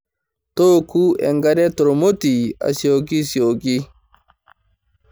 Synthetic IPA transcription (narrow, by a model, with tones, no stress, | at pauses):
to˦ku˦ɛ̰˨ŋɡaɾɛ˦tɔ˨ɾo˨mo˦ti˨a̰˨sio˨ɡi˦si˨o˨ɡi˦